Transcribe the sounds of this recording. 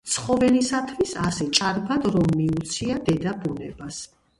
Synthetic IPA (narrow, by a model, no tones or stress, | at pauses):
t̪sʰχɔvɛlisat̪ʰvisasɛt͡ʃʼaɾbad̪ɾɔmːiut̪sʰiad̪ɛd̪abunɛbas